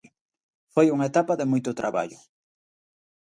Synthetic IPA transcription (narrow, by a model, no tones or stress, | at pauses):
fojuŋaet̪apaðemujt̪ʊt̪ɾʔaβa̰ʎʊ